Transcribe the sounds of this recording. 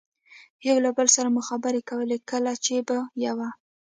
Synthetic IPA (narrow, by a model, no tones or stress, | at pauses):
jawlabəlsaɾamʊxabəɾekawəlekəlat͡ʃebajawa